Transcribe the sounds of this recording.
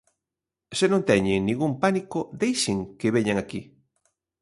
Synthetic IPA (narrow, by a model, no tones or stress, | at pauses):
senõnt̪ɛɲeŋnĩŋɡumpanikod̪ejʃeŋkeβeɲaŋaki